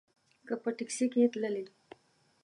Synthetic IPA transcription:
kəpəʈiksiket̪ləli

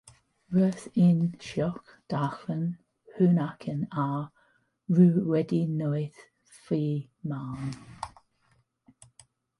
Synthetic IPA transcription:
ɹəθɪnʃɔk | d̥axlən | hʉːnakʰəna | ɹʉːwɛdinojθ | fiː | maːn

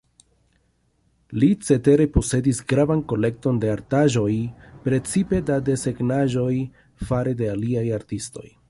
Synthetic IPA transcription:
lit͡se̞te̞ɾe̞po̞se̞disɡɾavanko̞le̞k̚to̞nde̞aɾtaʒo̞jpɾe̞t͡sipe̞dade̞se̞ɡnaʒo̞j | faɾe̞de̞aliajaɾtisto̞̰j

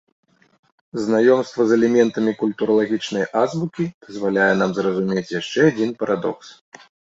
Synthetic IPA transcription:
znajɔmst̪vɐzɛlʲɛmʲɛnt̪ɐmʲikulʲt̪uɾɐlˠaɣʲit͡ʂnɐjʔazbukʲid̪̥ɐzvalʲajɛn̪amzrɐzumʲet͡sʲjaʂt͡ʂɛad͡zʲinpɐɾʔad̪ɔ̰ks

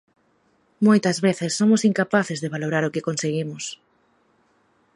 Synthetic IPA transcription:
mojt̪ɐzβeθɪsːomʊsiŋkapaθɪzðeβaloɾaɾʊkɪkonseɣimʊs

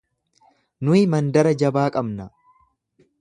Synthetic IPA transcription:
nʊɪmɐnd̪ɐɾɐd͡ʒɐbaːkʼɐbnɐ

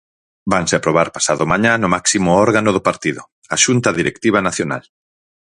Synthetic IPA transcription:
baŋseapɾoβ̞aɾpasaðʊmaɲãnʊmaksimʊɔɾɣanʊðʊpaɾt̪iðʊ̰ | aʃunt̪ɐðiɾekt̪iβ̞anaθjona̰l

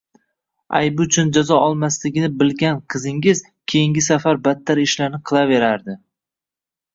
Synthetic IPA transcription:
a̰jbʊt͡ʃʰʊnd͡ʒazɒɒlˠmaslɪɡʲɪnɪbɪlɡʲanqʰɨzɪŋɪz | kʲʰe̞jɪŋɡʲɪsafaɾbat̪ʰːaɾɪʃlaɾnɪqʰɨlˠave̞ɾaɾd̪ɪ

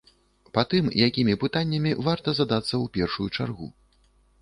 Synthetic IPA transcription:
pat̪ɨmjakʲimʲipɨt̪anʲːɐmʲivart̪ɐzad̪at̪sːɐwpʲɛrʂujut͡ʂa̰rɣṵ

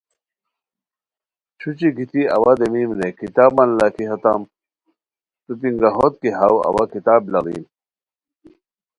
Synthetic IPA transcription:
t͡ɕʰut͡ɕikit̪ʰiɐ̰wad̪emimnekit̪aːbɐnlakiɦɐt̪am | t̪up̪iŋɡɐɦot̪̚kiɦawɐ̰wakit̪aːblɐɾḭːn

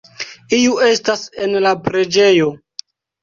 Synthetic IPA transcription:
iue̞stase̞nlapɾe̞d͡ʒe̞jo̞

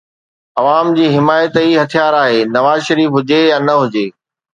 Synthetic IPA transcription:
ɐʋaːmd͡ʑiːɦɪmaːjət̪iɦɐt̪ʰijaːɾaːɦeːnɐʋaːzʃɐɾiːfɦʊd͡ʑejaːnɐɦʊd͡ʑeː

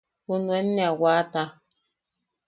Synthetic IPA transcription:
punwɛnːawata

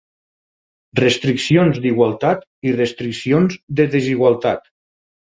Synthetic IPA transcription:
rəst̪ɾiksionzd̪iɣwalˠt̪at̪ | irəst̪ɾiksionzðəðeziɣwalˠt̪at̪

